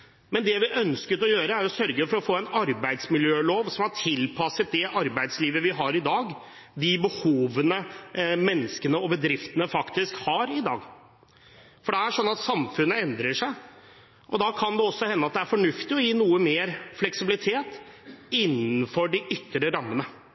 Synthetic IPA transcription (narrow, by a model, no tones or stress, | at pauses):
mɛnd̪ɛʋɪʔœnskət̪ɔjøːɾəæɾjʊsœɾɡəfɔɾɔfoːɛnɑɾbæɪd̪smɪljøːloːʋsɔmhɑʈʰɪlpʰɑsət̪̚d̪ɛʔɑɾbæɪd̪sliːʋəʋɪɦɑɾɪd̪ɑːɡ | d̪ɪbəhuːʋənəmɛnːəskənəɔbəd̪ɾɪft̪ənəfɑkt̪ɪskhɑɾɪd̪ɑ̰ːɡ | fɔɖɛæʂɔnːɑt̪sɑmfʉnːəɛnd̪ɾəʂæɪ | ʔɔd̪ɑkʰɑnd̪ɛɔsːɔhɛnːəɑt̪̚d̪ɛæɾfɔɳʉft̪ɪɔjiːnuːəmeːɾflɛksɪbɪlɪt̪ʰeːt̪ɪnːn̩fɔɖɪʔʏt̪ːɾəɾɑmːənə